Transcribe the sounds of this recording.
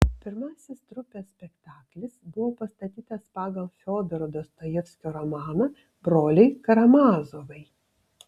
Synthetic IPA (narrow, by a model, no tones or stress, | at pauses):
pʲɪɾmɑːsʲɪst̪ɾʊpʲeːsʲpʲɛkt̪ɑːklʲɪsbʊʋoːpɐst̪ɐt̪ʲiːt̪ɐspɑːɡɐlˠfʲoːd̪ɛɾd̪ost̪ojɛfʲsʲkʲoːɾɔmɑːnɐ | bɾoːlʲɛɪkɐɾɐmɑːzoːʋɐɪ